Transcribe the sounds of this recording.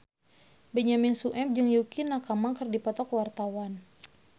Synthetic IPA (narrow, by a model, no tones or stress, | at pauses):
bɛɲaminsuʔɛp̚d͡ʒɨŋjukinakamaŋkɨrdipɔt̪ɔkwart̪awan